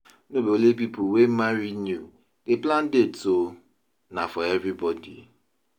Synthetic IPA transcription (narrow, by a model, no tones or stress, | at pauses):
nobeolep̬ipʊwem̩maɾinju | deplãn̩deto | nafɔɛvɾibɔdḭ